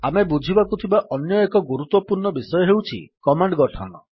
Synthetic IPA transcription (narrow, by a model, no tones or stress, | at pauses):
amebud͡ʒʱibakut̪ʰibaʔɔnjɔekɔɡuɾut̪wɔpuɾɳɔbisɔjɔɦewt͡ʃʰḭkɔmaɳɖɡɔʈʰɔnɔ̰